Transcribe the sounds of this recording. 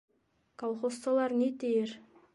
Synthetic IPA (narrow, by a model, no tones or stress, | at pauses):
kʰolˠχost̪ɑlˠɑɾnet̪ejeɾ